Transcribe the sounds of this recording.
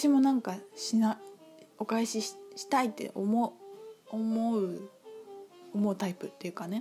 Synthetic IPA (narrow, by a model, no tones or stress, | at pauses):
aɕimo̞nãŋkaɕinao̞kaiɕiɕi̥t̪ait̪ːe̞̰ʔomoomoɯ̟ | omo̞ɯ̟t̪aipɯ̟t̪ːe̞jɯ̟kane̞